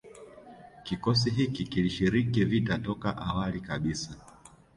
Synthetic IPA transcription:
kikɔs̬iɦikikiliʃiɾikivitatɔkaʔawalikaɓisa

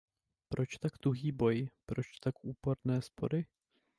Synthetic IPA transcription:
pɾʔo̞t͡ʃt̪aɡd̪ɾuɦiːbo̞jpɾo̞t͡ʃt̪akʔuːpo̞ɾnɛːspʰo̞̰dɪ

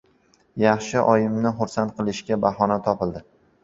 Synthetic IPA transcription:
jɑχʃɪʔɒjɪmnɪχʊɾsant̪̚qʰɨlˠɪʃɡʲabaɦɒnat̪ʰɒpɪld̪ɪ

